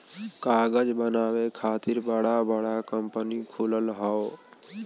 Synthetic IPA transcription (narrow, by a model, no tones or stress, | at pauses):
kaːɡəd͡ʒbənaːwekʰaːt̪ɪɾbəɽabəɽakəmpənikʰuləlɦɔ